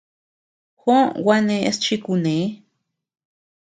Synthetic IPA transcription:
xo˦wa˦nẽ˧ʔe˦st͡ʃi˦ku˧nẽ˨˦

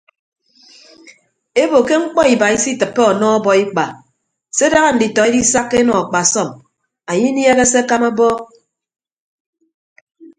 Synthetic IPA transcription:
e˦bo˨ke˦ŋ͡m̩˦k͡pɔ˦i˨ba˨i˦si˦tɨ˨pːe˦ɔ˨nɔ˦ɔ˦bɔ˦i˦k͡pa˨ | se˦da˦ɣa˦n̩˨di˨tɔ˨e˦di˦sa˦kːe˦nɔ˨a˨k͡pa˨sɔ˦˨m | a˨ɲi˦n˦e˦ɣe˦se˦ka˦ma˦bɔ˦

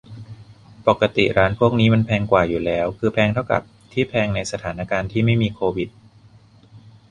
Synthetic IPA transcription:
po˨˩kːa˧t̪ḭ˨˩ɾaː˦˥npʰu˥˩ək̚niː˦˥ma˧npʰɛː˧ŋkwaː˨˩juː˨˩lɛː˦˥wkʰɯː˧pʰɛː˧ŋt̪ʰa˥˩wka̰˨˩p̚t̪ʰiː˥˩pʰɛː˧ŋna˧jsa˧t̪ʰaː˩˦na˧kaː˧nt̪ʰiː˥˩ma˥˩jmiː˧kʰoː˧wi˨˩t̪̚

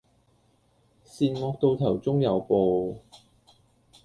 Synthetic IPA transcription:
siː˧nŋɔː˧k̚t̪o˧wt̪ʰɐ˨˩wt͡sʊ˥ŋjɐ˨˧wpo˨˧w

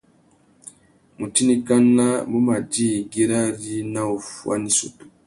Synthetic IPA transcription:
mu˨ti˦ni˦ka˦nːa˦mu˦ma˨di˦˨ɡi˦ɾa˦ɾi˦na˦o˨fwa̰˦ni˦su˨tu̥˨

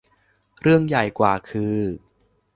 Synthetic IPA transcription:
ɾɯ˥˩əŋja˨˩jkwaː˨˩kʰɯː˧

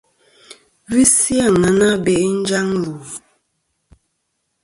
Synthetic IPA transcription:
vi˦sja˦˨ŋə˨na˦bɛ˨ʔn̩˦d͡ʒa˦ŋlu˨

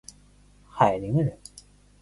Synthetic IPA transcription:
xa˨˩ɪli˧˦ŋɻə˧˦n

